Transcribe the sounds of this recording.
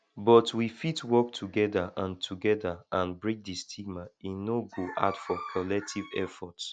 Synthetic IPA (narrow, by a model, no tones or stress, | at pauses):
bɔtwifitwɔk̚tʰuɡɛdaʔãntʰuɡɛdaʔãnbɹĩk̚distʰiɡ̚mainoɡoʔa̰dfɔkʰɔlɛk̚tʰivɛfɔts